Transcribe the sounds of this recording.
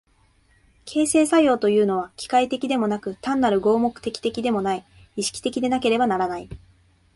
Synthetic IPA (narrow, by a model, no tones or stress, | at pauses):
kʰe̞ːse̞ːsajo̞ːt̪o̞jɯ̟ːno̞β̞akʲi̥kait̪e̞kʲid̪e̞mo̞nakɯ̟t̪ãnːaɾɯ̟ɡo̞ːmo̞kɯ̥t̪e̞kʲi̥t̪e̞kʲid̪e̞mo̞nai | iɕi̥kʲi̥t̪e̞kʲid̪e̞nake̞ɾe̞banaɾanai